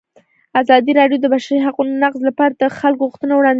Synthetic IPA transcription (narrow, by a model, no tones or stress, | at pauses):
azɑd̪iɾɑɖjod̪əbaʃaɾiɦaqunonaqzlapɑɾat̪axalkoɣuxt̪ənawɽɑnd̪